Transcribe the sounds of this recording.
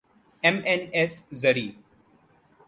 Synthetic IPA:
emeneszəɾiː

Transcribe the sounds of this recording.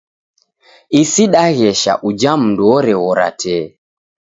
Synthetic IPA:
isiɗaɣɛʃa̰ʔud͡ʒam̩nduɔɾɛɣɔɾa̰tʰɛ

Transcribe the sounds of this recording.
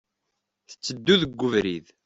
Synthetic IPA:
θə̥t͡sːəd̪ːuðəɡʷːəvɾið

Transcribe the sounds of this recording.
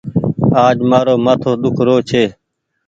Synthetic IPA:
aːd͡ʒmaːɾoːmaːt̪ʰoːɗ̪ʊkʰɾoːt͡ʃʰeː

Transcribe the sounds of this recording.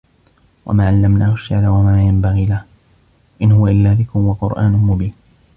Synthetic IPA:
wʔa̰maːʕalːamnaːhʊʃːaʕlawamaːjambaɣiːlah | ʔɪnhʊwaʔɪlːaːðɪkʊwaqʊɾʔa̰ːnʊmʊbiːn

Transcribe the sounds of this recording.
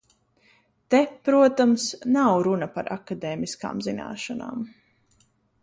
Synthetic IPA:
t̪ɛpɾuɔt̪amsnawɾunapa̰ɾʔa̰kad̪eːmiska̰ːmzina̰ːʃana̰ːm

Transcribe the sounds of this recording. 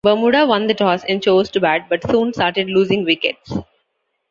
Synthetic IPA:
bəːmuːɖaʋʌ̃nd̪əʈɔːsɛ̰̃nɖt͡ʃoːzʈubæʈ̚bʌʈsũːnsʈaːɾʈeɖluːzɪ̃ŋɡʋɪkḛʈs

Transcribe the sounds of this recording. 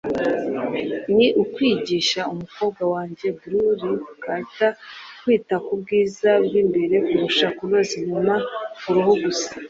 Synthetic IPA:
niʔukwiːɟiːʃaumuko̞ːb̚ɡwawaːɲɟe̞bɾuɾikatakwiːtakubɡiːzabɡiːmbe̞ɾe̞kuɾuʃakuɾoziɲumafuɾohoɡusḁ

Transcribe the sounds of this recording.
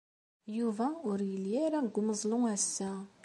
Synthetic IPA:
juvaʊɾjəljeɾaɡʷuməzˤluŋæsːa

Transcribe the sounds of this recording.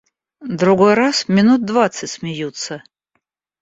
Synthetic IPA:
d̪ɾuɡojrasmʲɪnut̪̚d̪vat̪sɨtʲsmʲɪjut̪sə

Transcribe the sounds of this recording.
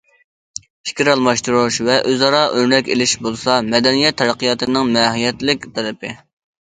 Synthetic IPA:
pʰi̥kʲiɾɑlˠmɑʃt̪uɾuʃvɛʔøzɑɾɑʔøɾnɛkʲelɪʃbolˠsɑmɛd̪ɛnijɛt̪ʰːɛɾæqʰijɑt̪ʰɨnɨŋmɛɦijɛt̪lɪk̚ʲt̪ʰɛɾɨpɪ

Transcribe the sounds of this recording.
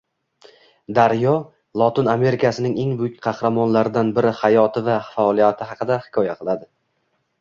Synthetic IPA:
d̪aɾjɒ | lˠɒt̪ɪname̞ɾɪkʲʰasɪnɪŋe̞ŋbʊjʊk̚ʲqʰɑhɾamɒnlaɾɪd̪anbɪɾɪhajɒt̪ʰɪvafaɒlˠijat̪ʰɪɦɑqɨd̪ahɪ̥kʰɒjaqʰɨlˠad̪ɪ

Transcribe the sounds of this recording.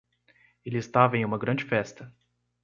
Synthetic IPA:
elɪɪst̪avɐẽj̃ũmɐɡɾɐ̃d͡ʒɪfɛst̪ɐ

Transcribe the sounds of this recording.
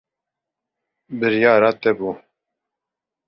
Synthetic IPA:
bɨɾjɑːɾɑːt̪ɛbuː

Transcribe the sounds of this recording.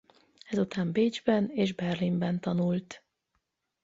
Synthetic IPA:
ɛzut̪aːmbeːd͡ʒbɛneːʒbɛrlimbɛnt̪ɒnult̪

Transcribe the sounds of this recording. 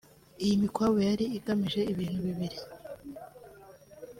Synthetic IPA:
ijimikwawejaɾiiɡamiʒe̞iβiːn̥huβiβiɾi

